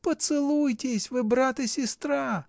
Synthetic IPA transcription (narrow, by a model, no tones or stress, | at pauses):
pɔt̪sɪlˠujt̪ʲesʲʋɪbɾɑt̪ɪsʲist̪ɾa